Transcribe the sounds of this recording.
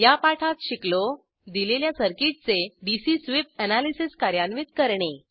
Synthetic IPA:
japaʈʰat̪ɕiklo | d̪ileljasəɾkiʈ̚t͡seɖisisʋip̚ənalisiskaɾjanʋit̪kəɾɳe

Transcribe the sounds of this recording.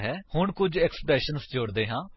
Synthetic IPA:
ɦɛːhʊɳkʊd͡ʒɛkspɾɛːʃənsd͡ʒoːɽd̪eːɦãː

